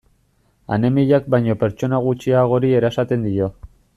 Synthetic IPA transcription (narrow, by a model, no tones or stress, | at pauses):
a̰ne̞miʎak̚bajɲo̞pe̞ɾt͡ʃo̞naɣ̞ut͡ʃiaɣ̞o̞ɾie̞ɾaesat̪e̞nd̪io̞